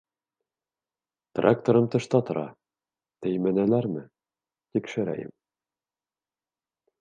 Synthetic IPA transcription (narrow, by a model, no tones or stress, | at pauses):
t̪rʔa̰k̚t̪oɾɤmt̪ɤ̆ʃt̪ɑt̪ŏɾʔɑ̰ | t̪ɘjmænælæɾmɘ | t̪ikʃɘ̆ɾæ̰jɘ̰m